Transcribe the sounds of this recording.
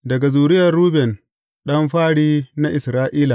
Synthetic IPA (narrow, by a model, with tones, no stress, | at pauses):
dɐ˨ɡa˨zuː˨ɾɪ˦jɐ˨rɾuː˦bɛ˨n | ɗɐ˦mɸaː˦ɽiː˦na˦ʔɪ˨sɾaː˦ʔiː˦la˨ʔ